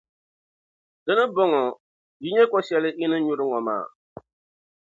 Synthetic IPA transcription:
dɨ˦nɨ˦bɔ˦ŋɔ˨ | ji˦ɲɛ˦kɔ˦sɛ˦lɨ˦ʔɪ˦nɨ˦ɲʊ˦ɾɨ˦ŋɔ˨ma̰ː˦˨

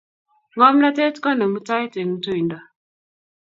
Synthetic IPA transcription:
ŋɔ˦m˦la˦te˦tkɔ˦na˨ŋu˦ta˦i˦te˨ŋu˦to˦i˨ndɔ˨

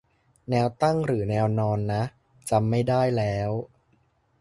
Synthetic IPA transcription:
nɛː˧wt̪a˥˩ŋɾɯː˩˦nɛː˧wnɔː˧nːa˦˥ʔ | t͡ɕa˧mːa˥˩jdaː˥˩jlɛː˦˥w

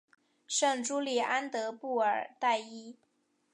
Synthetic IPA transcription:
ʂɤ˥˩ŋʈ͡ʂu˥li˨˩ʔa˥nt̪ɤ˧˥pu˥˩ə˞˨˩t̪a˥˩ɪi˥

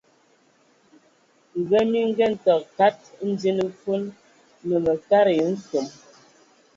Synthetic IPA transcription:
ŋ̩˨ɣə˦mi˦ŋ˦ɡɛ˦n̩˨tɔ˨k̚ka˦t̚n̩˦di˦nə˦fo˦n | nə˨mə˨ka˦ɾə˨˦n̩˦so˨m

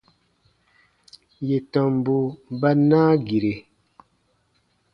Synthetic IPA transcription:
je˨tɔ˨m˦bu˦ba˦naː˦ɡi˨ɾe˨

